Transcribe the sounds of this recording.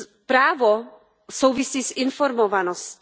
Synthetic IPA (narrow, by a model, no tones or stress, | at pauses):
pɾaːvo | sowvɪsiːsɪnfoɾmovanosc